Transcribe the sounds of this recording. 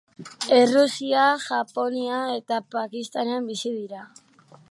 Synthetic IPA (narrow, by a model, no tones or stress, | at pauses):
e̞rusiaʝapo̞niae̞t̪apakist̪aneambisiðiɾa